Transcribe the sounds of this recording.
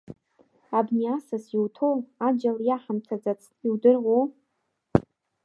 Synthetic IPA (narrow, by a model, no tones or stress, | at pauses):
abniasasiwtʰowad͡ʒaljaħamt͡sʰad͡zat͡sʰiwdɨrʁʷow